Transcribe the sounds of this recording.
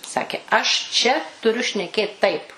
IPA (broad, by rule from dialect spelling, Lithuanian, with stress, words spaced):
ˈsɑːkʲeː ɐʃ ˈt͡ʃʲɛ tʊˈrʲʊ ʃʲnʲɛˈkʲeːt ˈtɐɪp